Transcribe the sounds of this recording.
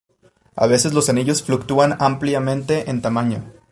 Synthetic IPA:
a̰βe̞se̞szlo̞saniʝo̞sflukt̪uanampljamẽnt̪e̞ʔent̪amaɲo̞

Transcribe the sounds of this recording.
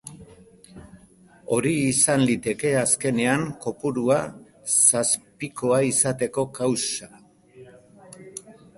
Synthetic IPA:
o̞ɾiːsanlit̪e̞ke̞aske̞ne̞aŋko̞puɾua | saspiko̞aisat̪e̞ko̞kawsa

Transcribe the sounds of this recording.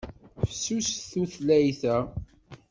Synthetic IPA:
fsusθuθlæjθæ

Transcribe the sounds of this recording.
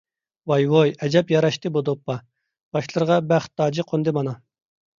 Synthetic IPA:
wɑjwojɛd͡ʒɛpjɑɾɑʃt̪ɨbud̪opːɑ | b̥ɑʃlˠɨɾʁɑbæχt̪ːɑːd͡ʒiqʰond̪ɨmɑnɑ

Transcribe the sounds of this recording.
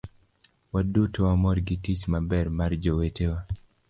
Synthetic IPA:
wadutowamɔɾɡɪtit͡ʃmabɛrmard͡ʒowetewa

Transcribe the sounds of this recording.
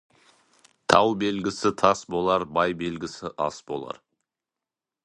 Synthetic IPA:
t̪ʰɑwbe̞lɡʲɪsɪt̪ʰɑsbo̞lˠɑɾbɑjbe̞lɡʲɪsɪʔɑ̰sbo̞̰lˠɑ̰ɾ

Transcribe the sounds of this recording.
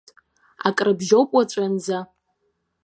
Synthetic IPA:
a̰kʼrɨbʒowpʼat͡ʃʷʼand͡za

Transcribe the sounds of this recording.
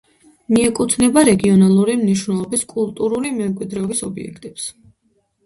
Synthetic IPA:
miɛkʼut̪ʰnɛbaɾɛɡiɔnalˠuɾimniʃ̬wnɛlˠɔbiskʼulˠt̪ʼuɾulimɛmkʼwid̪ɾɛɔbisɔbḭɛ̰kʰt̪ʼɛps

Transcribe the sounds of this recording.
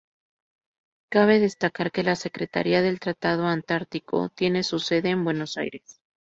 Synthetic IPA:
kaβ̞e̞ðe̞st̪akaɾke̞lase̞kɾe̞t̪a̰ɾiaðe̞lt̪ɾat̪að̞o̞ant̪aɾt̪iko̞̰t̪je̞ne̞suse̞ðe̞ːmbwe̞no̞sa̰jɾe̞s

